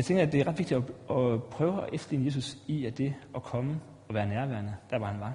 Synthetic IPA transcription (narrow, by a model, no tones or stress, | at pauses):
jɑɪt͡sʰeŋɡ̥ɐæd̥e̝æɐʁɑd̥ʋeɡ̥̚d̥i̥ɒɒ̽pʰʁœːʊəɒʔefd̥lḭnəe̝ːsusiæd̥e̝ʔɒ̽kʰɒ̽mə | ɒ̽ʋæːɐnæɐʋæɐ̰nəd̥æɐʋɑ̈hænʋɑ̈